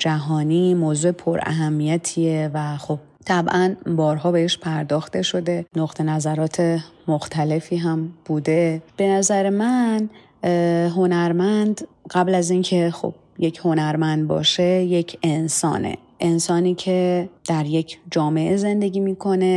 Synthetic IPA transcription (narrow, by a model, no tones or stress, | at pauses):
d͡ʒæɦɒːniːmoːzuːepʰoɾæ̰ɦæmːijæt̪ʰievæxob̥̚t̪ʰæbʔænbɒːɾɦɒːbe̞eʃpʰæɾd̪ɒːxt̪e̞ʃo̞d̪e̞noɣt̪ʰe̞næzæɾɒːt̪ʰemoxt̪ʰæle̞fiːɦæmb̥uːd̪e̞b̥e̞næzæɾe̞mæn | ɦo̞næɾmænd̪ɢæblæziːncʰe̞xo̰b̥̚ | je̞cʰho̞næɾmænd̪̚bɒ̰ːʃe̞je̞cʰe̞nsɒ̰ːnḛ | ʔe̞nsɒːniːcʰe̞d̪̥æɾje̞cʰd͡ʒɒːme̞ʔeze̞nd̪e̞ɟiːmiːkʰo̞ne̞